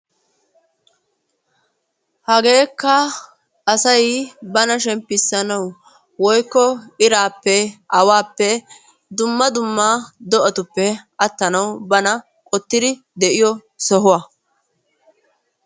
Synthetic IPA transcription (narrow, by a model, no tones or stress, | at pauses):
hɐɡeːkːɐ | ʔːsɐjbɐnɐʃɛmpːɪsːɐnɐw | wɔjkːɔɪɾaːpːɛʔɐwaːpːɛ | d̪ʊmːɐd̪ʊmːaːd̪ɔʔɐt̪ʊpːɛɐt̪ːɐnɐwbɐnɐ | kʼɔt̪ːɪd̪ɪ | d̪ɛʔɪjɔ | sɔɦʊwa